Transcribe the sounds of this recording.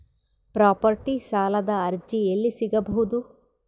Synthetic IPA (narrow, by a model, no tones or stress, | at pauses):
pɾaːpɐɾʈisaːlɐd̪ɐːɾd͡ʒielːisiɡɐbɐɦud̪u